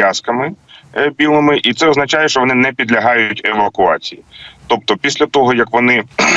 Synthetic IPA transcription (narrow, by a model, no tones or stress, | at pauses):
askɐmɪbʲilˠɪmɪʔit̪sɛɔznɐt͡ʃɑjɛʃt͡ʃɔʋɔnɪnɛpʲid̪lʲɐɦɑjʊtʲeʋɐkʊɑt͡sʲijit̪ɔp̚t̪ɔpʲisʲlʲɐt̪ɔɦɔjɐkʋɔnɪ